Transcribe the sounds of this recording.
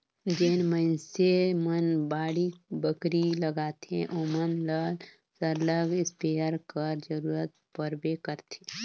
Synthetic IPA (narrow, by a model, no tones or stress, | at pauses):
d͡ʒeːnmənsemənbaːɽibəkɾiləɡaːt̪ʰḛ̃ʔoːmənləl | səɾləɡɪspeːjəɾkəɾd͡ʒəɾuːɾət̪̚ | pəɾbekəɾt̪ʰe